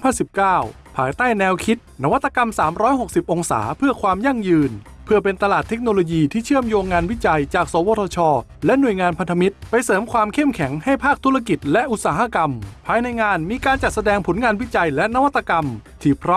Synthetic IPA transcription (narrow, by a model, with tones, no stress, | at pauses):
pʰa˧˥˩nsi˨˩p̚kaː˥˩w | pʰaː˩˨˦jt̪aː˥˩jnɛː˧wkʰi˦˥t̪̚na˦˥wa˦˥t̪ːa˧ka˧msaː˩˦mɾɔː˦˥jɦo˨˩k̚si˨˩p̚ʔo˧ŋsa̰ː˩˦pʰɯ˥˩ɐkʰwaː˧mja˥˩ŋjɯː˧n | pʰɯ˥˩ɐpe˧nt̪a˧laː˨˩t̪ʰːe˦˥k̚noː˧loː˧jiː˧t̪ʰiː˥˩t͡ɕʰɯ˥˩əmjoː˧ŋːaː˧nwi˥t͡ɕa˧jt͡ɕaː˨˩k̚soː˩˦woː˧t̪ʰɔː˧t͡ɕʰɔː˧˩ | lɛ˦˥nu˨˩əjŋaː˧npʰa˧nt̪ʰa˧mi˦˥t̪̚pa˧jsɤː˩˦mkʰwaː˧mkʰe˥˩mkʰɛ˩˦ŋha˥˩jpʰaː˥˩k̚t̪ʰu˦˥ɾa˥˧ki˨˩t̪̚lɛ˦˥ʔu˨˩t̪̚saː˩˦ɦa˧˥ka˧mpʰaː˧jna˧jŋaː˧nmiː˧kaː˧nt͡ɕa˨˩t̪̚sa˧dɛː˧ŋpʰo˩˦nŋaː˧nwi˦˥t͡ɕa˧jlɛ˦˥na˦˥wa˥t̪ːa˧ka˧mt̪ʰiː˧˩pʰɾɔ˦˥